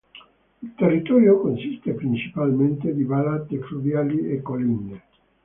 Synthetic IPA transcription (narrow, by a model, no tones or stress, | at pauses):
ilt̪erːit̪ɔɾjokonsist̪epɾint͡ʃi̥palment̪ed̪ibalat̪efluvjaliekolinːe